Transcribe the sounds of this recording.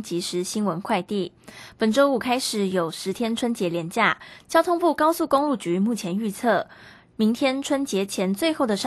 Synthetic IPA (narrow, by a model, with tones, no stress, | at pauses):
t͡ɕi˧˥ʂɻ̩˧˥ɕi˥nwə˧˦nkʰwa˥˧ɪt̪i˥˩pə˨˩nʈ͡ʂo˥ʊu˨˩kʰa˥ɪʂɻ̩˨˩jo˨˩ʊʂɻ̩˧˥t̪ʰjɛ˥nʈ͡ʂʰwə˥nt͡ɕjɛ˧˥ljɛ˧˥nt͡ɕja˥˩t͡ɕjɑ˥ʊt̪ʰʊ˥ŋpu˥˩kɑ˥ʊsu˥˩kʊ˥ŋlu˥˩t͡ɕy˨˧˥mu˥˩t͡ɕʰjɛ˨˧˥ny˥˧t͡sʰɤ˥˩ | mi˧˥ŋt̪ʰjɛ˥nʈ͡ʂʰwə˥nt͡ɕjɛ˧˥t͡ɕʰjɛ˧˥nt͡swe˥˧ɪxo˥˩ʊd̪ə˩ʂ